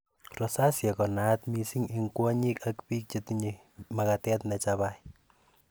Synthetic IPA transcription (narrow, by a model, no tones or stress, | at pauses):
rɔsasjɛkɔnatmisiŋiŋkwɔɲikakpik̚t͡ʃetiɲi | makatɛtnɛt͡ʃaβaj